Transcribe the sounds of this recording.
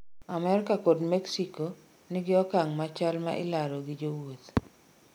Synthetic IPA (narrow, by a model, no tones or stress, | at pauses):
amɛrkakod̪mɛksiko | nɪɡɪɔkaŋmat͡ʃalmaʔɪlaɾoɡɪd͡ʒowot̪